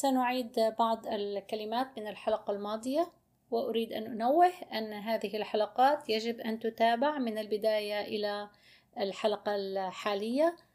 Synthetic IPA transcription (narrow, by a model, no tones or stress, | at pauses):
sanʊʕiːd̪bɑʕd̪ˤɪlkalɪmaːt̪mɪnɪlħalaqɑlmɑːd̪ˤɨja | wɪʔʊɾiːd̪ʔanʔʊnawːɪhʔanːɦaːðɪɦɪlħalaqɑːt̪jad͡ʒɪbʔant̪ʊt̪aːbɪʕmɪnɪlbɪd̪aːjaʔɪla | ɪlħalaqɑlħaːlɪjːa